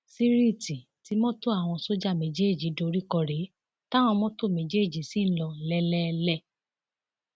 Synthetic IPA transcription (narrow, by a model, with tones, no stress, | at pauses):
si˦ɾi˦˨ti˨ti˨˦mɔ̃˦to˦a˨w̃ɔ̃˧so˦d͡ʒa˦˨mẽ˨d͡ʒe˦˨d͡ʒi˨˦do˧ɾi˦kɔ˧ɾe˨˦ | ta˦w̃ɔ̃˧mɔ̃˦to˦˨mẽ˨d͡ʒe˦˨d͡ʒi˨˦si˦˨n̩˦lɔ˧lɛ˦lɛ˦lɛ˦˨